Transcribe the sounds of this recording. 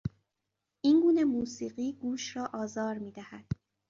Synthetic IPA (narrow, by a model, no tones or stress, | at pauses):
ʔiːnɡuːne̞muːsiːɢiːɡuːʃɾɒːʔɒːzɒːɾmiːd̪æhæd̪̥